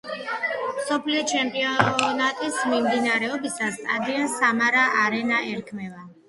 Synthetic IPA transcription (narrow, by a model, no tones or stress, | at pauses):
msɔpʰliɔt͡ʃʰɛmpʼiɔnat̪ʼismimd̪inaɾɛɔbisasad̪iansamaɾaʔaɾɛnaʔɛɾkʰmɛva